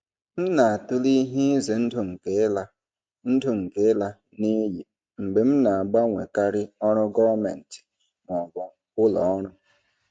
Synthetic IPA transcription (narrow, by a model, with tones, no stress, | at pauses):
m̩˦na˨a˨tʊ˦li˦ɦi˦ze˨n̩˦dʊ˨ŋ̩˨ke˦la˦ | n̩˦dʊ˨ŋ̩˨ke˨˦la˦ | ne˦ji˨ | ŋ͡m̩˨ɡ͡be˨m̩˦na˨a˨ɡ͡ba˦ŋʷḛ˨ka˦ɾɪ˦ɔ˦ɾʊ˦ɡɔ˦va˦mḛ˨n̩˨tɪ̥˨ | mɔ˨ɡɔ˨ | kʊ˦lɔ̰˨ɔ˦ɾʊ˦